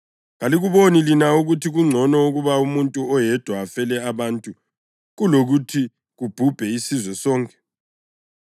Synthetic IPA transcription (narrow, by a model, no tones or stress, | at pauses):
ɣaliɣuβonilinauɣutʰiɣuŋ͡ǀʱɔnɔuɣuβaumuntʼuɔjɛd̥ʱwaːfɛlɛaβaːntʼu | ɣuloɣutʰi | ɣub̥ʱub̥ʱɛisizwɛsɔːŋkʼɛ̥